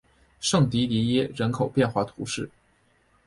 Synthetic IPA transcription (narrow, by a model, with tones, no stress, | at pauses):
ʂɤ˥˩ŋt̪i˧˥t̪i˧˥jɛ˥ɻə˧˥nkʰo˨˩ʊpjɛ˥˧nxwa˥˩t̪ʰu˧˥ʂɻ̩˥˩